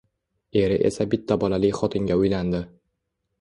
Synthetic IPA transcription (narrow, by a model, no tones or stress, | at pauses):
e̞ɾɪʔe̞̰sabɪt̪ʰːabɒlalɪkʲχɒt̪ʰɪŋɡʲaʊjland̪ɪ